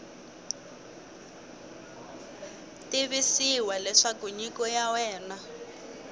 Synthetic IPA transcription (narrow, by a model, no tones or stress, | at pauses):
tiβisiwalɛʂakuɲikɔjawɛːna